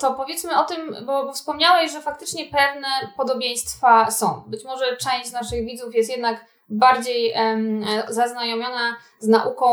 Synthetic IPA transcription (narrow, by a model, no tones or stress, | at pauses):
t̪ɔpɔvʲjɛt̪smɘɔt̪ɘmbɔbɔfspɔmɲawɛɕʐɛfak̚t̪ɘt͡ʂɲɛpɛvnɛpɔd̪ɔbʲjẽj̃st̪fasɔ̃w̃bɘt͡ɕmɔʐɛt͡ʂɛ̃w̃ɕt͡ɕnaʂɘɣvʲid̪zufjɛst̪jɛd̪nak | baɾd͡ʑej | zaznajɔmʲjɔna | znaʔukɔ̃